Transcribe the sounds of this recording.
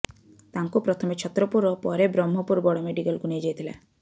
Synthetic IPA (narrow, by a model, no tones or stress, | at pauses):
t̪aŋkupɾɔt̪ʰɔmet͡ʃʰɔt̪ɾɔpuɾɔpɔɾebɾɔmɦɔpuɾbɔɽɔmeɖiɡɔlɡuniad͡ʒajt̪ʰila̰